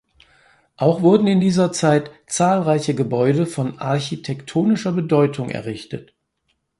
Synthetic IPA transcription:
ʔaʊxv̥ʊɐdn̩ɪndiːzɐt͡saɪtt͡saːlʁaɪçəɡəbɔʏdəfɔnʔa̰ɐçitʰɛktʰoːnɪʃɐbədɔʏtʰʊŋʔɛ̰ɐʁɪçtət

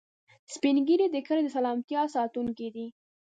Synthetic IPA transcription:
spinɡiɾid̪əkəɾed̪əsalɑmt̪jɑsɑt̪uŋkid̪i

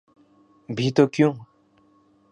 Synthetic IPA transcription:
bʱit̪okjũ

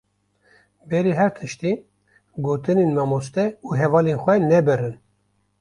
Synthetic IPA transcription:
bɛɾiɦɛɾt̪ʰɨʃt̪i | ɡoːt̪ɨneːnmɑmost̪ɛuːɦɛvɑːlenxʷɛnɛbɨɾɨn

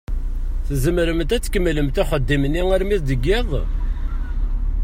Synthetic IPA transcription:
θəzəmɾəmt̪æt͡sːkəmːləmt̪iχəd̪ːimənːiæɾmiθd̪əɡːɪðˤ

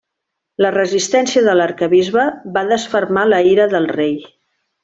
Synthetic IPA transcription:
lərəzist̪ɛnsiəðələɾkəβizβəβaðəsfərmaləiɾəðəlˠrej

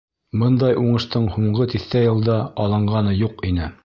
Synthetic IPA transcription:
bɤnd̪ɑjʔuɴɤ̆ʃt̪ɤɴhuɴɢɤt̪iθt̪æjɤ̆lˠd̪ɑɑlˠɤ̆ɴɢɑnɤjuqinɘ

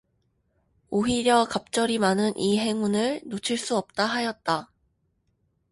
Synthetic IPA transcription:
oɦiɾjʌkap̚t͡ɕ͈ʌɾimanɯnʔiɦe̞ŋunɯɭnot͡ɕʰiɭs͈uʌp̚t͈aɦajʌt̚t͈a

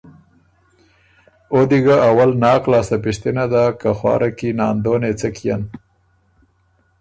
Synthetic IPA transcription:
od̪iɡaʔawalnɑːqlɑːsapɪʂt̪inad̪akaxwɑ̰ːɾʔakinɑːnd̪onet͡səkija̰n

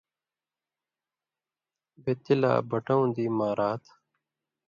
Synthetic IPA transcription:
bet̪ːila̰ːbɐʈɐũnd̪iːmaːɾaːt̪ʰ

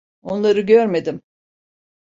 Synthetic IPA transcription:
o̞nlˠaɾɯɟøɾme̞d̪ɪm

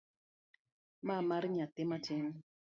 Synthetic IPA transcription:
mamaɾɲat̪ɪmatɪm

